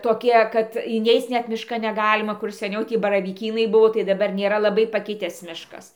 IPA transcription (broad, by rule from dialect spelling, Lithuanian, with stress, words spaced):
toːˈkʲiɛ kɐt ɪˈnʲɛɪt͡s ˈnʲɛt mʲɪˈʃkɐn nʲɛˈɡɑːlʲɪmɐ kʊr sʲɛˈnʲɛʊ ˈtʲiː bɐrɐʋʲiːˈkʲiːnɐɪ ˈbʊʋoː tɐɪ dɐˈbɐr nʲeːˈrɐ lˠɐˈbɐɪ pɐˈkʲɪtʲæːs ˈmʲɪʃkɐs